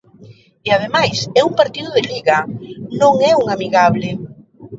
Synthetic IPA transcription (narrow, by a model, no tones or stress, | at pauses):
eað̞emajsɛumpaɾt̪iðʊðɪliɣanõŋɛuŋamiɣaβlɪ